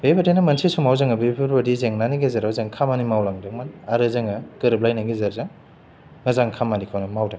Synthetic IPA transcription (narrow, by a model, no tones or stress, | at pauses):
bebatejnɐmɐnsʰisumawzaŋɐbepʰiɾbadizeŋnaniɡezaɾawzaŋkʰamanimawlaŋdɐŋmanaɾɯzaŋakɯɾɯblajnaɡezaɾzaŋː | ɐzaŋkʰamanikʰawnɯmawdaŋ